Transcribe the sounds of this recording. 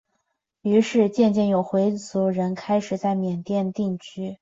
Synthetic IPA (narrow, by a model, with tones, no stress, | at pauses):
y˧˥ʂɻ̩˥˧t͡ɕjɛ˥˧nt͡ɕjɛ˥˩njo˨˩ʊxwe˧˥ɪt͡su˧˥ɻə˧˥nkʰa˥ɪʂɻ̩˨˩t͡sa˥˩ɪmjɛ˨˩nt̪jɛ˥˧nt̪i˥˩ŋt͡ɕʰy˥